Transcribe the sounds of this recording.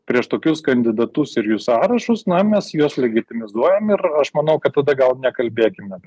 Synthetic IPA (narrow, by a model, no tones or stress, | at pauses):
pʲɾʲiɛʃt̪oːkʲʊskɐnʲd̪ʲɪd̪ɐt̪ʊsɪɾjʊsɑːɾɐʃʊsnɐmʲɛsjuɔslʲɛɡʲɪt̪ʲɪmʲɪzuɔjɛmɪɾɐʃmɐnɐʊkɐt̪tɐd̪ɐɡɐlˠnʲɛkɐlʲbʲeːkʲɪmʲɛ